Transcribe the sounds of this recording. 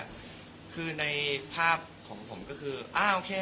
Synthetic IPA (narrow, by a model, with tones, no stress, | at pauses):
kʰɯː˧na˧jpʰaː˥˩p̚kʰɔː˩˦ŋpʰo˩˦mkɔː˥˩kʰɯː˧ʔaː˧˩ʔoː˧kʰeː˧